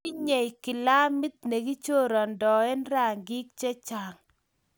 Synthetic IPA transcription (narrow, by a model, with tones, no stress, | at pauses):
i˦ɲɛ˨jkɪ˨la˦mɪ˦t̪̚ne˨ɡi˦t͡ʃo˦˨ɾɔ˨ndɔ˨ɛ˦nɾa˦˨ŋɡɪ˦k̚t͡ʃɛ˦t͡ʃa˨ŋ